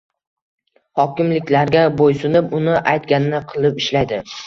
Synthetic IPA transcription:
hɒkʲɪmlɪkʲlaɾɡʲabojsʊnɪpʊnɪʔajt̪ɡʲanɪnɪqʰɨlˠɪpɪʃlajd̪ɪ

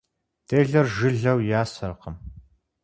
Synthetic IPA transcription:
d̥ʰeːɮɐrʒɨɮɐwjaːsɐrqəm

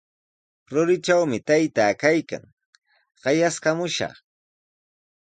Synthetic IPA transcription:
ɾʊɾɪt͡ʃawmɪt̪ajt̪aːkajka̰ŋ | ɢ̥ɑjaskamʊʃɑ̰χ

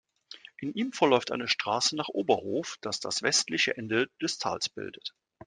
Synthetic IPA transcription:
ʔɪnʔiːmfɛɐlɔʏftʔa̰ɪnəʃtʁ̥aːsənaːχʔoːbɐhoːfd̥asd̥a̰sv̥ɛstlɪçə̰ʔɛndəd̥ɛstʰa̰ːlsb̥ɪ̰ldət

